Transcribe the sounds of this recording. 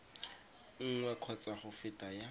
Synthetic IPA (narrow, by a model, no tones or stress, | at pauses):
ŋ̩ŋwɛkʰɔt͡sʼaχʊfɪtʼaja